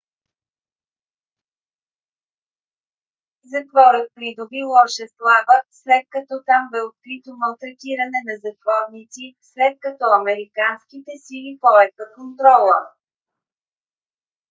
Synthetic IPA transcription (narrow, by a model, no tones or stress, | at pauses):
zɐt̪vɔɾət̪̚pɾid̪ʊbilˠɔʃɛslˠavəslɛt̪̚kɐt̪ɔt̪ambɛot̪̚kɾit̪omɐlˠt̪ɾɐt̪iɾɐnɛnɐzɐt̪vɔɾnit̪sislɛt̪̚kɐt̪ɔɐmɛɾikanskit̪ɛsilipɔɛxəkont̪ɾɔlˠə̰